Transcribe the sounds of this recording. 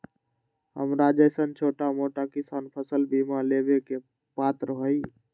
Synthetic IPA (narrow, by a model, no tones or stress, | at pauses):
ɦə̰mɾad͡ʒəjsənt͡ʃʰoʈamoʈakisanpʰəsəlbimaleβeke | pat̪ɾəɦəj